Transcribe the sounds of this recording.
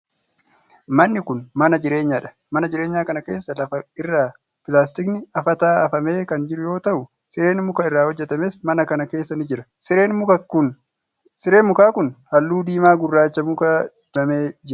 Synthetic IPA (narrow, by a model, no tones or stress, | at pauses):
mɐnːɪkʊnmɐnɐd͡ʒɪɾe̞ːɲːaːᶑɐ̥ | mɐnɐd͡ʒɪɾeːɲːaːkɐnɐke̞ːsːɐlɐfɐɪrːaː | pɪlaːs̬t̪ɪknɪɐfɐt̪aːɐfɐme̞ːkɐnd͡ʒɪɾʊjo̞ːt̪ɐʔʊ | sɪɾe̞ːnmʊkɐɪrːaːhɔd͡ʒːɛt̪ɐmeːsmɐnɐkɐnɐke̞ːsːɐnɪd͡ʒɪɾɐ | sɪeːnmʊɐʊn | sɪɾeːmʊkaːkʊnhɐlːuːd̪iːmaːɡʊrːaːɪt͡ʃːɐmʊkɐ | ɐmeːd͡ʒɪɾ